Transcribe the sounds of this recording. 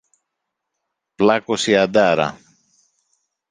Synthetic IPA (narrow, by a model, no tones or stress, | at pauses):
plakosiad̪aɾɐ̰